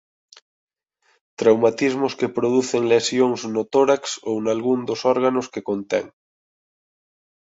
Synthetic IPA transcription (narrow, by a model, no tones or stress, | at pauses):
t̪ɾawmat̪izmoskepɾoð̞uθeŋlesjoŋznot̪oɾaksownalɣund̪osoɾɣ̞anoskekont̪ḛŋ